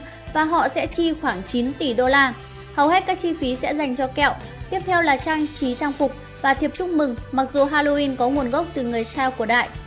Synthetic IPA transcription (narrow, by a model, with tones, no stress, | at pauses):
vaː˨˩ɦɔ̰˧˨sɛ̰˧˥t͡ɕi˧xwaː˧˩ŋt͡ɕi˨˦nt̪i˧˩ɗo˧laː˧ | hə˨˩whɛ˦˥t̚kaː˦˥k̚t͡ɕi˧fi˨˦sɛ̰˧˥za˨˩jŋ̟t͡ɕɔ˧kɛ̰˧˨wt̪i˦˥əp̚t̪ʰɛ˧wlaː˨˩t͡ɕaː˧ŋt͡ɕi˨˦t͡ɕaː˧ŋfʊ˨˩k͡p̚ | vaː˨˩t̪ʰi˨˩əp̚t͡ɕʊ˦˥k͡p̚mɨ˨˩ŋma˨˩k̚zu˨˩ɦaː˧lo˧ʔi˧nkɔ˨˦ŋu˨˩ənɣə˦˥wk͡p̚t̪ɨ˨˩ŋɨ˨˩əjsɛː˧wku˧˩əɗa̰ː˧˨jʔ